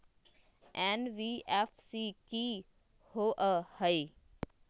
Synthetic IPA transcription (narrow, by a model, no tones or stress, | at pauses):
ɛnʋiɛfsiki | hoːʔəhəiː